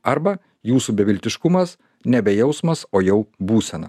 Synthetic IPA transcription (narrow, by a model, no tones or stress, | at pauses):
ɐɾbɐ | juːsubʲɛʋʲɪlʲt̪ʲɪʃkʊmɐs | nʲɛbʲɛjɛʊsmɐsoːjɛʊbuːsʲɛnɐ̰